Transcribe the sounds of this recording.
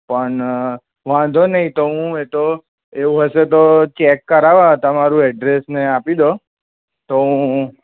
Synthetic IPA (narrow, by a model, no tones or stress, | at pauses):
pəɳ | ʋãd̪ʱonəɦĩt̪oɦũet̪o | eũɦəʃet̪ot͡ʃekːəɾaʋat̪amaɾũɛɖɾesneapid̪o | t̪oɦũ